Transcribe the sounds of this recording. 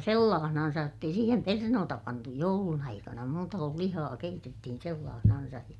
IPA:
selːɑːhnɑnsɑj jotː ei siːhem pernoːtɑ pɑntu joulun ɑikɑnɑ muːtɑ kul lihɑː keitetːihin selːɑːhnɑnsɑj jɑ

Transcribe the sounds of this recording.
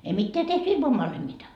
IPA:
ei mitːeæ tehty ilmɑʋ ʋɑnhemːitɑ

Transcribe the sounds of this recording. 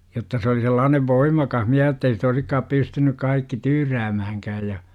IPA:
jotːɑ se oli selːɑːneʋ ʋoimˑɑkɑh miæ jotː ei sit oisikːɑːp pystynyk kɑikːi tyːræːmæhæŋkæːj jɑ

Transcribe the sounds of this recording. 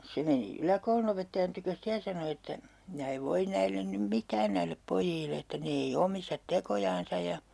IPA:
se meni ylækoulunopetːɑjɑn tykøs ste jɑ sɑno etːæ minæ eʋ ʋoin næilːen nym mitˑæːn næilːep pojiːlːe etːæ ne ei omistɑt tekojɑːnsɑ jɑ

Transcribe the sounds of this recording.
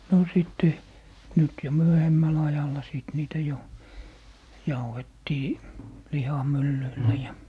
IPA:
no sitːe nyt jo myøhemːæl ɑjɑlˑɑ siˑt niːtæ jo jɑuhetːiː lihɑmylːyilːæ jɑ

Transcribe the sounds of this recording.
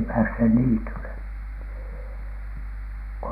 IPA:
pæːshe niːtyle ko

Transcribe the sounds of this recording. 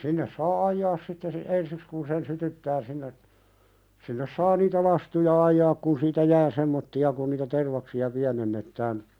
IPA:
sinːes sɑː ɑjːɑːs sitːe si ensiks kun sen sytytːæː sinːe sinːes sɑː niːtæ lɑstujɑ ɑjːɑːk kun siːtæ jæː semːotːiɑ kun niːtæ terʋɑksiɑ piænenːetːæːn

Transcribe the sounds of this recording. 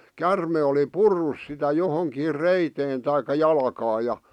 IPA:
kærme oli purːus sitæ johoŋkiːr reiteːn tɑikˑɑ jɑlɑ̆kɑːj jɑ

